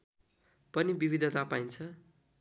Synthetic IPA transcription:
pʌnibibid̪ʱʌt̪apajnt͡sʰʌ

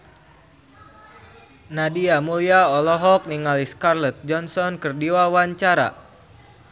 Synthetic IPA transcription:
nadiamuliaɔlɔɦɔk̚niŋaliskarlɔt̪̚d͡ʒɔnsɔnkərdiwawaɲt͡ʃaɾa̰

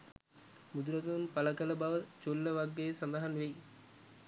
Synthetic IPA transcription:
mud̪uɾɐɡɐunpɐlɐkɐlɐbaːʋɐt͡ʃolːɐʋɐɡːejsɐnd̪aɦɐnʋej

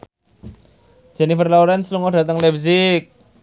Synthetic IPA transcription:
d͡ʒ̥ɛnifərlauɾansluŋɔd̥ä̤t̪əŋlɛbsɪk̚

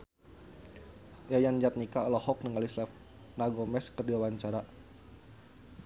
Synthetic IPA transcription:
jajand͡ʒat̪̚nikaɔlɔhɔk̚nəŋalislɛf | naɡɔmɛskərdiawaɲt͡ʃaɾa

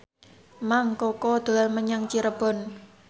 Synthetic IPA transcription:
maŋkɔkɔd̪̥o̤alməɲaŋt͡ʃiɾəb̥ɔ̤n

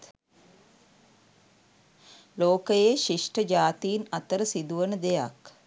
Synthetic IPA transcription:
loːkəjeʃiʂʈəd͡ʒaːt̪iːnat̪əɾəsid̪uʋənəd̪eja̰k

